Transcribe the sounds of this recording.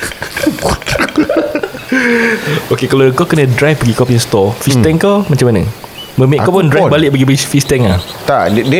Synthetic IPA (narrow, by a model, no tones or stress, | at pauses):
okekalakakənədɾajfbaɡikapɛ̃nst̪ɔfist̪ɛŋkamat͡ʃamanə̰ | məmẽʔkapɔndɾajbalɪʔbaɡibaifist̪ɛŋlat̪aʔd